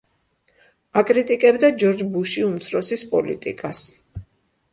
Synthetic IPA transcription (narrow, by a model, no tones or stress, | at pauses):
akʼɾit̪ʼikʼɛbd̪ad͡ʒɔɾd͡ʒbuʃiumt̪sʰɾɔsispʼɔlḭt̪ʼḭkʼas